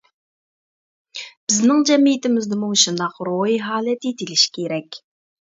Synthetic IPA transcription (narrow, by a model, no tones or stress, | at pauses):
b̥ɪznɪŋd͡ʒɛmːijɪt̪ɪmɪzd̪ɨmuʃund̪ɑqɾojɦɑːlɛt̪it̪ʰilɪʃkʲʰeɾɛkʲ